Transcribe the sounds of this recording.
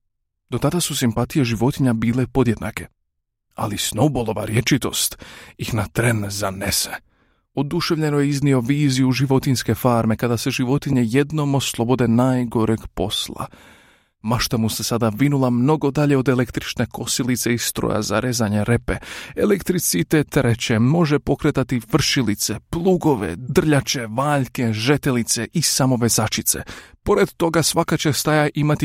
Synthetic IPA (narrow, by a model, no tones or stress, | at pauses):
d̪o̞t̪ad̪asusimpat̪ije̞ʒiʋo̞t̪iɲabiːlepo̞d̪je̞d̪na̰ke̞ | a̰lisnowbolˠo̞ʋaɾje̞t͡ʃit̪o̞̰st̪ixnat̪ɾenzanese | o̞d̪uʃe̞ʋʎe̞nojeiznio̞ʋiːzijuʒiʋo̞t̪inske̞faːɾme̞kad̪ase̞ʒiʋo̞t̪iɲeje̞d̪no̞moslˠo̞bo̞d̪e̞naːjɡo̞ɾeɡpo̞slˠa̰ | maʃt̪amusesad̪aʋinulˠamno̞ɡo̞d̪aʎe̞o̞d̪ele̞kt̪ɾit͡ʃne̞ko̞silit̪se̞ist̪ɾo̰ja̰za̰ɾezaɲe̞ɾe̞pe̞elekt̪ɾit̪sit̪et̪ɾet͡ɕe̞mo̞ʒe̞po̞kɾet̪at̪ifr̩ʃilit̪se̞plˠuːɡo̞ʋḛd̪r̩ʎat͡ʃe̞ʋaːʎke̞ʒe̞t̪e̞lit̪se̞ʔisamo̞ʋe̞zat͡ʃit̪se̞̰po̞ɾe̞d̪t̪o̞ɡasʋakat͡ɕe̞st̪ajaʔimat̪i